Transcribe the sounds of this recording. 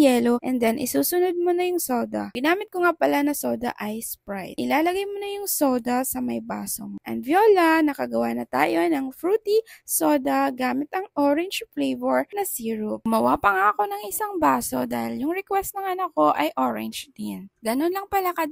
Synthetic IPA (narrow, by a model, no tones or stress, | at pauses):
jɛːlo̞ʔɛnd̪ɛnʔɪsuːsʊnod̪̚monɐjʊŋsod̪ɐ̰ɡɪnaːmɪt̪̚koŋapɐlanɐsod̪ɐ̰ʔɐjspɹa̰jt̪ʔɪlaːlɐɡɐjmonɐjʊŋsod̪ɐsɐmɐjba̰ːso̰ʔɐ̰ŋvjoːlɐnɐkɐɡɐwanɐt̪a̰ːjo̞nɐŋfɾuːt̪isoːd̪ɐɡaːmɪt̪ɐŋʔoɹɛnd͡ʒflejvɛɹnɐsiɹʊp̚mɐwapɐŋaːko̞nɐŋɪsaŋbaːso̞̰d̪aːhɪljʊŋɾɛkwɛst̪̚nɐŋɐnɐkːo̞ʔɐjʔoɹɛ̰nd͡ʒt̪inɡɐnonlɐŋpɐlɐkɐd̪̚